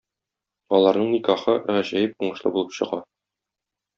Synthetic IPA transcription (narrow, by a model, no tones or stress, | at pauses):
ɒlˠɑɾnɤɴnikɑχɤʁæʑæjɘp̚uɴɤ̆ʃlˠɤbulˠɤpɕɤ̆ʁɑ